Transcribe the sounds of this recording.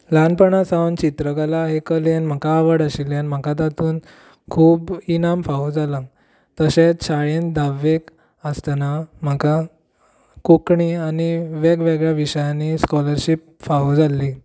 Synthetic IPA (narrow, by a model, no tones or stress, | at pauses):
lanpəɳãsawnt͡ɕit̪ɾəkalaɦekəljenm̤əkaːʋəɽəɕiljanm̤əkat̪̬at̪uːn | kʰuːbinamfaɦud͡zalãŋɡ | t̪əɕet͡ɕʰaɭend̪ʱaʋːek | əst̪anam̤əka | kukɳianiʋeɡʋeɡɭjaʋiɕəjãniskɔləɾɕip̚ | faɦud͡zalːi